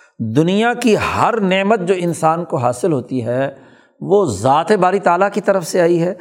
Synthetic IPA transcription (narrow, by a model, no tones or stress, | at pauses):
d̪ʊnijakihɐɾneːmət̪̚d͡ʒoːɪnsaːnkoɦaːsɪlɦoːt̪iɦɛː | ʋoːzaːt̪ebaːɾit̪aːlakit̪ɐɾəfseaːiɦɛː